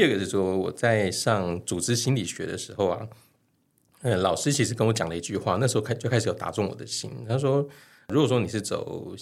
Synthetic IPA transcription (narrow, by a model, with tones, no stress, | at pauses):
i˧ə˥˩ɡə˨˩ʂɻ̩˥˩ʂwɔ˥wɔ̰˨˩t͡sa˥˧ɪʂɑ˥˧ŋt͡su˨˩ʈ͡ʂɻ̩˥ɕi˥nli˨˩ɕɥɛ̰˧˥ɾə̰˧ʂɻ̩˧˥xo˥˧ʊɐ̰˩ | ə˧lɑ˨˩ʊʂɻ̩˥t͡ɕʰi˧˥ʂɻ̩˧˩kə˥nwɔ˧˥t͡ɕjɑ˨˩ŋdə˦i˧˥t͡ɕy˥˧xwa˥˧n˥˩ʂ̩˧˥˧kʰa˥˧t͡ɕo˥˧kʰa˥ɪʂ̩˧jt̪a̰˨˧˥t͡sʊ˥˩ŋwɔ̰˨˩d̪ə˦ɕḭ˥nt̪ʰa˥ʂ̬wɔ˥ | ɻu˧˥kwɔ˨˩ʂwɔ˥ni˨˩ʂɻ̩˥˩t͡so̰˨˩ʊ